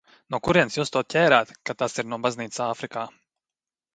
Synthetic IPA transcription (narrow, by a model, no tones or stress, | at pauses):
nuɔkuɾiɛnsjuːst̪uɔt̪̚cʲɛːɾaːt̪kat̪asiɾnuɔbazniːt̪ssaːfɾikaː